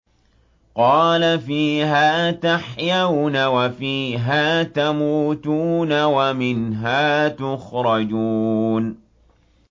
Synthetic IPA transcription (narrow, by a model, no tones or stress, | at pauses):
qɑːlafiːɦaːt̪aħjawnawafiːɦaːt̪amuːt̪uːnawamɪnɦaːt̪ʊxɾˤɑd͡ʒuːn